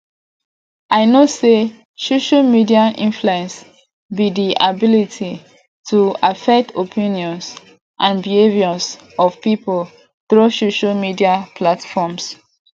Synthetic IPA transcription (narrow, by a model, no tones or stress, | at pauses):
ʔaɪnose | soʃalmidiaʔĩnfluɛ̃ns | bidiʔabilitʰi | tʰuafɛk̚tʰopʰĩnjɔ̃ns | ʔãnbiheviɔs | ɔv̥pipol | θɹosoʃalmidiapʰlatfɔms